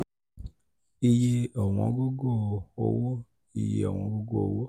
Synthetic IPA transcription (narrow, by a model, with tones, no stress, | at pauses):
i˧je˧ɔ˨w̃ɔ̃˧˦ɡo˦ɡo˦˨o̰˦˧wo˦ | i˨jḛ˨ɔ˨w̃ɔ̃˧˦ɡo˦ɡo̰˦˨o˨wo˦